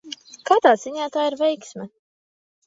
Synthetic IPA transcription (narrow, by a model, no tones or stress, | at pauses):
kat̪aːz̥iɲaːt̪aːiɾvɛjksmʲɛ